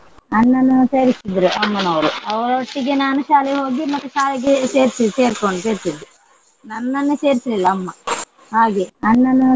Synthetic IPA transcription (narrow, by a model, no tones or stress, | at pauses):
ɐnːɐnːuse̞ːɾisid̪ɐɾuʔɐmːɐnɐʋɐɾuɐʋɐɾɐʋɐʈːiɡenaːnɐʃaːlɛɦo̞ːɡimɐt̪ːuʃaːlɛɡeseːɾsise̞ːɾkoɳɖuseːɾsid̪ːi | nɐnːɐnːuse̞ːɾisɐlilːɐːmːɐ | haːɡeɐnːɐnːu